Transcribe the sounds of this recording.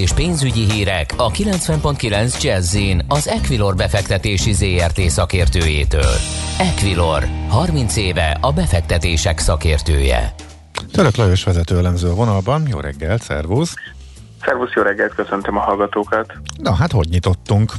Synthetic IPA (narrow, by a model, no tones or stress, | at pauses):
eːʃpeːnzyɟiɦiːɾɛkɒkilɛnt̪sʋɛmpo̞nt̪̚kilɛnzd͡ʒɛzːinɒzɛkʋilo̞rbɛfɛkt̪ɛt̪eːʃizeːɛrt̪eːsɒkeːrt̪øːjḛːt̪ø̰ːlɛkʋilo̞rhɒrmint̪seːvɛ̰ɒbɛfɛk̚t̪ɛt̪eːʃɛksɒkeːrt̪ø̰ːjɛ̰ | t̪øɾøklɒjøʃʋɛzɛt̪øːɛlɛmzøːɒvo̞nɒlbɒnjo̰ːɾɛ̰ɡːɛlt̪sɛ̰rvus | sɛrvusjoːɾɛɡːɛlt̪̚køsønt̪ømɒɦɒlɡɒt̪oːkɒt̪nɒɦat̪ho̞ɟɲit̪o̞t̪ːuŋk